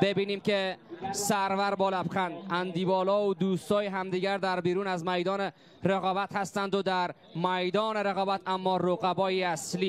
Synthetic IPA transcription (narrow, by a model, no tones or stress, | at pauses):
b̥ebiːniːmkesæɾvæɾbɒːlæpxænænd̪iːbɒːlɒːod̪uːst̪ɒːjeɦæmd̪iɡæɾd̪æɾbiːɾuːnæzmæjd̪ɒːne | ɾeɣɒːbæt̪hæst̪ænd̪od̪æɾ | mæjd̪ɒːneɾeɣɒːbæt̪æmːɒːɾoɣæbɒːjiæsliː